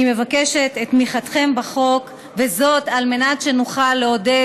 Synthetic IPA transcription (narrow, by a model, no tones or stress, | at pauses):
ime̞vakeʃetetmiχat̪χe̞mbaχo̞k | ve̞zo̞talme̞natʃe̞nuχalːeo̞de